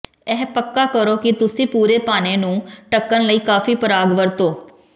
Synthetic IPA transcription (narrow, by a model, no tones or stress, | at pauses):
ɛːpəkːaːkəɾoːkɪt̪ʊsĩːpuːɾeːpaːneːnũːʈəkːənləiːkaːfiːpəɾaːɡʋəɾt̪oː